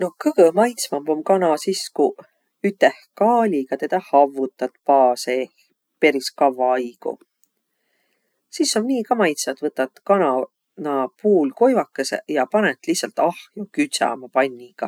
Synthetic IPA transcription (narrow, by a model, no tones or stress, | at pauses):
no̞kɤɡ̥əmɑjt̪smɑmbomkɑnɑsisku | yt̪ːˑehkɑːlʲiɡ̥ɑt̪e̞d̪̥ɑhɑvːut̪ːˑɑt̪pɑːseh | pe̞ɾiskɑvːɑɑjɡ̥ṵ | sisːonnʲiːkɑmɑjt̪sɑt̪vɤt̪ːˑɑt̪kɑnɑ | nɑpuːlko̞jvɑkːesḛjɑpɑnet̪ːˑlihsɑlt̪ːɑhjokyt̪sɑ̰mɑpɑnʲːiɡ̥ɑ